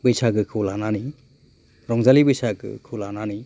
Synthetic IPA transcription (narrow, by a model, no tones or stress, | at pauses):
bɯjsaɡɯkʰɯlanani | ɾɔŋzalibɯjsaɡɯ̰kʰɯlanani